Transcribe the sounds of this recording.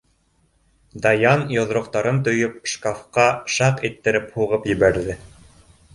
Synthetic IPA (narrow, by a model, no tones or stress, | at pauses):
d̪ɑjɑnjŏðɾŏqt̪ɑɾɤnt̪ŏjɵp̚ʃkafqɑʃɑqit̪ːɘ̆ɾɘphuʁɤpjɘ̆βæɾðɘ